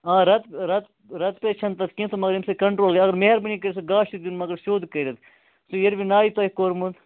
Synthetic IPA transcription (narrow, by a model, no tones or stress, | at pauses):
ãːɾɐt̪ɾɐt̪ | ɾɐt̪pet͡ʃʰɐnt̪ɐt̪ʰkĩt̪omɐɡɐɾimsekɐɳʈɾoːlɡɐɐɡɐɾmeɦɐɾbɐnĩkɐɾisoɡaːʃid̪iunmɐɡɐɾʃoːd̪kɐɾɐt̪ | sujeɾbinaːit̪ɐːikoːɾmũd̪